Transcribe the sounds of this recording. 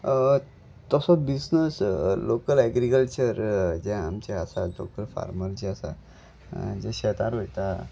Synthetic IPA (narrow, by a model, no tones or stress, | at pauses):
t̪ɔsɔbisnəslokəlɛɡɾikəlt͡ɕəɾd͡ʑɛ̃amt͡ɕeasalo̰kəlfa̰ɾməlt͡ɕiasa̰ | d͡ʑeɕɛt̪aɾɦojt̪a